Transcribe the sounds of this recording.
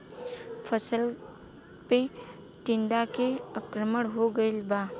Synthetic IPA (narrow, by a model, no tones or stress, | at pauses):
pʰəsəl | pe | ʈɪ̃nd̪akeəkɾəməɽɦoɡəɪlba